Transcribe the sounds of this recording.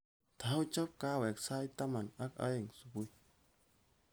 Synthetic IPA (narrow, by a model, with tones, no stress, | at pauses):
t̪ʰa˨u˦t͡ʃa˦p̚ka˦wɛ˨ksa˦jt̪a˦ma˨na˦ka̰˦e˨ŋsu˨bu˦j